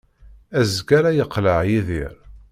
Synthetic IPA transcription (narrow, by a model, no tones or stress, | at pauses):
æzɡæɾæjəqːləʕjiðiɾ